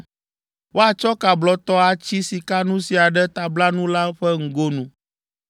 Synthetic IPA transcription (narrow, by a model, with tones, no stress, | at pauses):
wʔo˦a˨t͡ʃɔ˦ka˨blɔ˦t̪ɔ˦a˨t͡ɕi˦si˨ka˦nũ˦si˨a˨ɖɛ˦t̪a˨bla˦nũ˦la˦ɸɛ˦ŋ̩˦ɡo˦nũ˦